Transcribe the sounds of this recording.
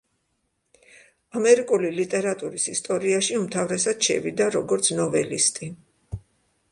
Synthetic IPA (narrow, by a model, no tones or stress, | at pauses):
amɛɾikʼulilit̪ʼɛɾat̪ʼuɾisist̪ʼɔɾiaʃiumt̪ʰavɾɛsad̪̥ʃɛ̰vid̪aɾɔɡɔɾt̪sʰnɔvɛlḭst̪ʼi